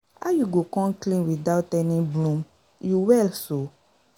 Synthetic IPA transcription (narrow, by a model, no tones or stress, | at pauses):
ajuɡokɔ̃nklĩnwidaʊtɛnĩblũm | juwɛlso